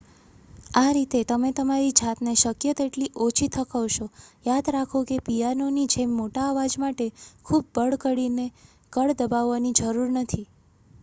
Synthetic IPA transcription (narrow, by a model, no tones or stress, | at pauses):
aɾit̪et̪əmet̪əmaɾid͡ʒat̪neʃəkjət̪eʈliʔot͡ʃʰit̪ʰəkəʋʃojad̪ɾakʰokepijanonid͡ʒemːoʈaːʋad͡ʒmaʈekʰub̚ːəɭkəɽine | kəɭd̪əbaʋːanid͡ʒəɾuɾnət̪ʰi